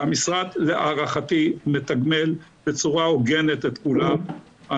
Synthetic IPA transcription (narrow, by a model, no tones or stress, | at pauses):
amisʁad̪leʔaʁaχat̪imet̪aɡme̞lbe̞t͡suʁaoɡenet̪et̪kulam | a